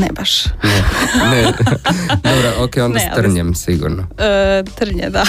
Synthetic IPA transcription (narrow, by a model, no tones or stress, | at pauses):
nɛbaʃnɛnɛ | d̪obɾoʔokejond̪ssr̩ɲɛmsiɡṵɾnot̪ɾ̩ɲɛ̰d̪a